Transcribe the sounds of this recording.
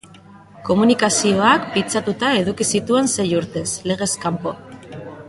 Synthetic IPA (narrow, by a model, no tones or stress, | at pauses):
ko̞munikasio̞akpit͡sat̪ut̪ae̞ðukisit̪ue̞nse̞juɾt̪e̞sle̞ɣ̞e̞skampo̞